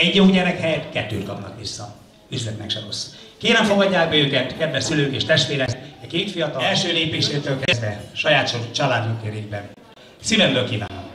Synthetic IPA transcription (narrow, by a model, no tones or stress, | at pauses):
ɛɟjoɟɛnɛkhɛjɛt̪kɛt̪ːø̰ːt̪kɒpnɒ̰kʋisːɒ | yzlɛt̪nɛkʃɛɾo̞sː | keːɾɛɱfo̞ɡɒɟːaːɡ̚bɛøːkɛt̪kɛd̪vɛʃsyløːŋkeːʃt̪ɛʃt̪ʋeːɾɛɛkeːt̪fijɒt̪ɒɛlʃøːleːpeːʃeːt̪øːlkɛzvɛʃɒjaːt̪ʃot͡ʃɒlaːd̪mukeɾeːɡbɛn | sivɛmbøːlkiːva̰ːnːɒ̰m